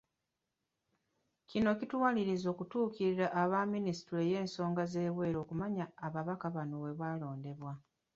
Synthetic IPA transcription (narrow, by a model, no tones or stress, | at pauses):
cino̞citwaːliɾizo̞ːkutuːciɾiɾaʔːβaminisi̥tɾe̞je̞ːnso̞ːŋɡaze̞ːβwe̞ːɾo̞ːkumaɲaːβaβakaβanowe̞βaːlo̞ːnde̞βwa